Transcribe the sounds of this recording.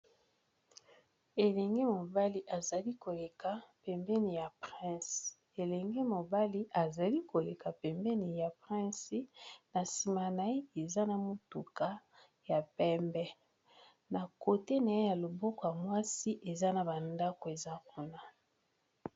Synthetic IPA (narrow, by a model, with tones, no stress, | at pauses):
e˨lɛ˨ŋɡe˦mo˨ba˦li˨ʔa˨za˨li˦ko˨le˨ka˨pɛ˨mbɛ˦ni˨ja˨pʁɛ̃˦s | e˨lɛ˨ŋɡe˦mo˨ba˦li˦ʔa˨za˨li˦ko˨le˨ka˨pɛ˨mbɛ˦ni˨ja˨pʁɛ̃˦si˦na˨si˨ma˨na˨e˦e˨za˦na˨mo˦˨tu˨ka˦ | ja˨pɛ˦mbɛ˦ | na˨ko˨te˦na˨e˦ja˨lo˨bɔ˦kɔ˨ja˨mwa˦si˦ʔe˨za˦na˨ba˨nda˦ko˨e˨za˦ku˦na˨